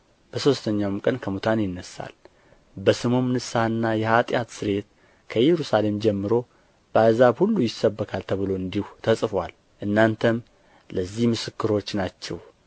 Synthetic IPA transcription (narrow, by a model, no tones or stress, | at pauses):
b̥əso̞st̪ʰəɲːawmkʼənkʰəmut̪ʰanjɪnːəsːa̰l | bəsɨmomnɨsaɨnːajɛhat̪ʼjat̪sɨɾe̞t̪ | kʰəjɛɾusale̞md͡ʒɛmːɨɾo̞ | b̥əazaβhulːujɪsːəbːəkʰalt̪ʰəβɨlo̞ɨnd̪iht̪ʰəsʼfwal | ʔɨnːant̪ʰəm | ləzːihmɨsɨkːɨɾo̞t͡ʃːnat͡ʃːɛ̰w